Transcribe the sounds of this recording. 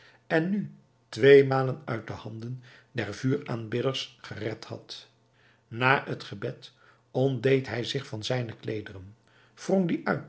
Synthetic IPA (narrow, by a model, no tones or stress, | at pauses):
ɛnːy | tʋejmaːlənœɥt̚dəhɑndən | dɛɹvyːɹaːnbɪdəɹsχərɛthɑ̰t | naːətχəbɛt | ɔndejtɦɛjzɪχfɑnzɛjnəklejdərən | v̥rɔŋdiʔœɥt